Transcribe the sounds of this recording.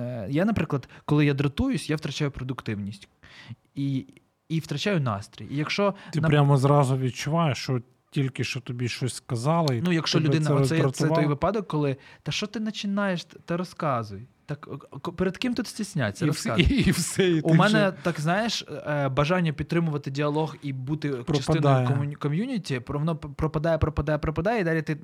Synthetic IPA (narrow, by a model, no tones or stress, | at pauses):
janɐpɾɪklˠɐd̪kɔlˠɪjad̪ɾɐt̪ujʊsʲjawt̪ɾɐt͡ʃajʊpɾɔd̪ʊkt̪ɪwnʲisʲtʲ | i | iwt̪ɾɐt͡ʃajʊnɑ̰st̪ɾʲḭjijɐkʃt͡ʃɔt̪ɪnɐpɾʲamɔzrɑzʊʋʲid̪̚t͡ʃʊʋɑjeʃt͡ʃɔ | tʲilʲkɪʃt͡ʃɔt̪ɔbʲiʃt͡ʃɔsʲskɐzɑlˠɪinujɐkʃt͡ʃɔlʲʊd̪ɪnɐɛɔsɛjɾt̪ɛɔjʋɪpɑd̪ɔkːɔlˠɪt̪ɑʃt͡ʃɔt̪ɪnɐt͡ʃɪnɑjeʃt̪t̪ɪɾɔskɑzʊjt̪ɑkpɛɾed̪kɪmt̪ut̪sʲtʲisʲnʲa̰t͡sʲsʲːɐɾɔsazwsɛiumɛnɛt̪ɑkznɑjeʃbɐʒɑnʲːɐpʲid̪̚t̪ɾɪmʊʋɐt̪ɪdʲiɐlˠɔɣibut̪ɪpɾt͡ʃɐsɪnɔjjkɔmʲjunʲitʲipɾɔʋɔnɔpɾɔpɐd̪ɑjɛpɾɔpɐd̪ɑjɛpɾɔpɐd̪ɑjɛid̪ɑlʲit̪ɪ